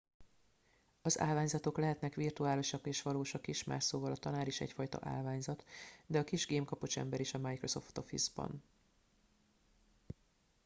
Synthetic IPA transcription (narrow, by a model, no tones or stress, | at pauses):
ɒza̰ːlvaːɲzɒt̪o̞klɛɦɛt̪nɛkʋirt̪uaːloʃɒkːeːʃʋɒloːʃɒkiʃma̰ːʃsoːvɒlɒt̪ɒnaːɾiʃɛ̰cfɒjt̪ɒ̰ʔa̰ːlvaːɲzɒt̪d̪ɛɒkiʒɡeːmkɒpo̞ʃɛ̰mbɛɾiʃɒmajkro̞so̞̰ft̪o̞fḭzbɒ̰n